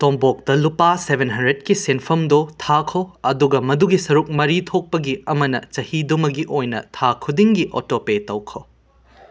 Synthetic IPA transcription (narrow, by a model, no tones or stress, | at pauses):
tombok̚tɐlupasebʱenɦɐndɾed̚kisenpʰɐmdotʰakʰoɐduɡɐmɐduɡisɐɾuk̚mɐɾit̪ʰok̚pɐɡiɐmɐnɐ̰t͡ʃɐhidumɐɡiʔojnɐ̰tʰakʰudiŋɡiʔo̰topetɐwkʰo